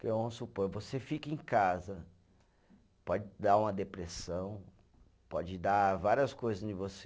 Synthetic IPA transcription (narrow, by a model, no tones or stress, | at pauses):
kɛõsupoɾvosefikɐẽkazɐ | pɔd͡ʒɪd̪aũmɐd̪epɾesɐ̃w̃ | pɔd͡ʒɪd̪avaɾiɐskojzɐzɪ̃vose